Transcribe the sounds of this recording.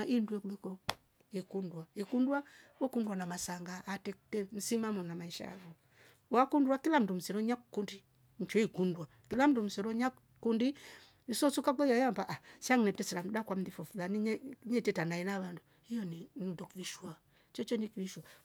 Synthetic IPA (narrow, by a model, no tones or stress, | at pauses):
ʔindwɛkulɛkɔ | ikundwaikundwawɔkundwanamasaŋɡaːtɛtɛm̩simamɔnamaiʃa̰a̰ɡɔ | wakundwakilam̩dum̩sɛɾɔɲakundi | ɲ̩t͡ʃɛikundwakilam̩dum̩sɛɾɔɲa | kundi | isɔsukakɔjajambaʔasaŋnɛtɛsɛɾam̩dakwam̩ðifɔfulaniɲɛɲɛtɛtanainaβanduhijɔninidɔkiɾiʃua | t͡ʃɔt͡ʃɔnikiɾiʃwa